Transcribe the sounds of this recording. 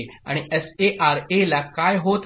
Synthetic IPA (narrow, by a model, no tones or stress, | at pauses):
a̰ɽ̃iɛseʔaɾelakajɦot̪